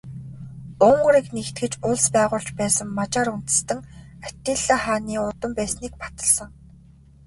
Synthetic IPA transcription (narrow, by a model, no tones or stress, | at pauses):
ʊɴɢ̆ɾĭknext̪ɡɘ̆t͡ɕʊɮspæːʁʊːɮt͡ɕpæːsə̆ŋmat͡ɕaːɾun̥t̪ɘ̆st̪ɘ̆ŋat̪iːɮăːχaːniːʊt̪ə̆mpæːsniːk̚pḁt̪ə̆ɮsə̆ŋ